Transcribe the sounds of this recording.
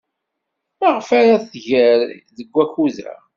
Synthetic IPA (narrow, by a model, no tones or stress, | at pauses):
maʁfaɾaθʝəɾðəɡʷːæçuðæ̰